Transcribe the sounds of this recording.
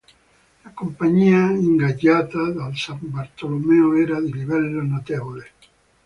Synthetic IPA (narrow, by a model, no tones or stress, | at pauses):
lakompaɲiaiŋɡaʎat̪aðalsambaɾt̪olomeoeɾaðeliβɛlːonot̪eβole